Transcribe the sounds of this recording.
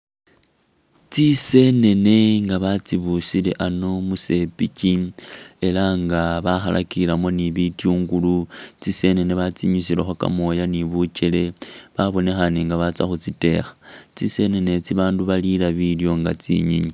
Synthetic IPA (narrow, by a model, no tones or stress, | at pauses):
t͡sise̞ne̞ne̞ŋɡaβat͡siβusile̞ʔano̞muse̞picie̞laŋɡaβaxalʔa̰kilamo̞niβitjuːŋɡulut͡sise̞ne̞neβat͡siɲusilexwaka̰mo̞janiβut͡ʃele̞βaβo̞ne̞xaneŋɡaβat͡sa̰xut͡site̞̰xḁt͡sise̞ne̞ne̞t͡siβaːnduβalilaβiljo̞ŋɡa̰t͡sḭɲiɲi